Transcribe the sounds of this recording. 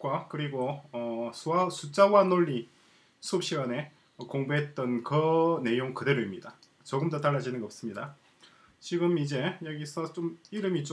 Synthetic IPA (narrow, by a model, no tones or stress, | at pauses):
k͈wakɯɾiɡoʌsʰuasʰut͡ɕ͈awanoʎːi | sʰuʌp̚ɕ͈iɡane̞ | ʌkoŋbuɦe̞t̚t͈ʌnkɯne̞joŋkɯde̞ɾoimɲida | t͡ɕoɡɯmdotaɭːad͡ʑinɯnɡʌʌps͈ɯmɲida | t͡ɕiɡɯmid͡ʑe̞jʌɡisʰʌt͡ɕomiɾɯmit͡ɕo